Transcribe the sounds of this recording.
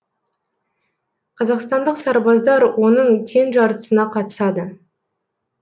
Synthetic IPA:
qʰɑzɑqst̪ɑnd̪əqsɑɾbɑzd̪ɑɾwʔo̞nəɴt̪ʰe̞nʒɑɾt̪ə̥sənɑqʰɑt̪ə̥sɑd̪ə

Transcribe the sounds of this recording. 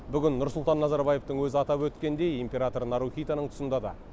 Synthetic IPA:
bʏɡʲɪnːʊɾsʊlˠt̪ɑnːɑzɑɾbɑje̞ft̪əɴwɵzɪɑt̪ɑpwɵt̪kʲe̞nd̪e̞jimpʲe̞ɾat̪o̞ɾnɑɾuχʲijt̪ɑnəɴt̪ʰʊ̥sənd̪ɑd̪ɑ̰

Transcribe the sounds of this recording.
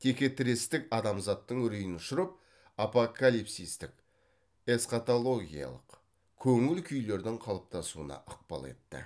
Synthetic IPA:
t̪ʰekʲe̞t̪ʰɪɾest̪ɪkɑd̪ɑmzɑt̪ːəɴʏɾijɪnʊʃʊɾəp̚ | apokalijpsijst̪ɪk | e̞sqat̪olˠo̞ɡʲḭjɑ̰lˠəq | kʲʰɵŋɪlkʲʰʏjle̞ɾd̪ɪɴqʰɑlˠəp̚t̪ʰɑsuə̰nɑ̰ʔəq̚pɑ̰lˠe̞̰t̪ːɪ̰

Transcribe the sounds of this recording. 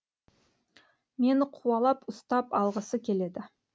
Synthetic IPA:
me̞nɪqʰuɑlˠɑpʊst̪ɑpɑlˠʁəsəkʲʰe̞le̞d̪ɪ

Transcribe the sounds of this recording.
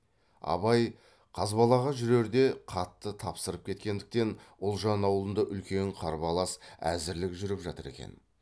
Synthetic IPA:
ɑ̰βɑj | qʰɑzbɑlˠɑʁɑʒʏɾe̞ɾd̪e̞qʰɑt̪ːət̪ʰɑpsəɾəp̚kʲʰe̞t̪̚kʲe̞nd̪ɪk̚t̪e̞nʊlˠʒɑnɑwlˠənd̪əʔʏlkʲe̞ɴqʰɑɾbɑlˠɑsæ̰zɪɾlɪkʒʏɾɪpʒɑt̪əɾe̞̰kʲe̞̰n

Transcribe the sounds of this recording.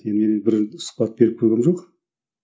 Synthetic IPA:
enmenɪbɪɾsʊ̥χpɑt̪̚be̞ɾɪp̚kʰɵɡʲemʒoq

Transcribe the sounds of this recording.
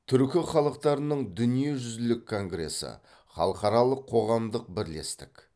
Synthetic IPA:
t̪ʰʏɾkʲɪχɑlˠəq̚t̪ɑɾənəɴd̪ʏnije̞ʒʏzɪlɪkʰːo̞ŋɡɾe̞̰sə̰ | χɑ̰lˠəqɑɾɑlˠəqʰːo̞ʁɑmd̪əq̚bɪɾle̞̰st̪ɪk

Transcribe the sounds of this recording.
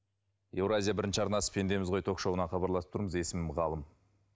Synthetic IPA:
e̞wɾazʲijabɪɾɪnʃɪɑɾnɑsə̥pʰe̞nd̪e̞mɪzʁo̞jt̪ʰo̞kʃɑwənɑχɑbɑɾlˠɑsə̥pt̪ʰuɾəməze̞sɪmɪmʁɑlˠəm

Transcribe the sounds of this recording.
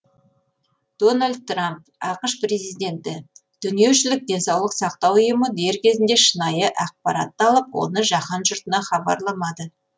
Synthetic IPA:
d̪̥o̞nalʲd̪̚t̪ːramp | ɑqəʃpre̞zijd̪ʲe̞nt̪ɪd̪̥ʏnije̞wʃɪlɪk̚d̪e̞nsɑwlˠəqsɑqt̪ɑwʊjəməd̪e̞ɾkʲʰe̞zɪnd̪e̞ʃənɑjəʔɑq̚pɑ̰ɾɑ̰t̪ːəɑlˠəpwo̰nəʒɑqɑnʒʊɾt̪ənɑχɑbɑ̰ɾlˠɑmɑd̪ə

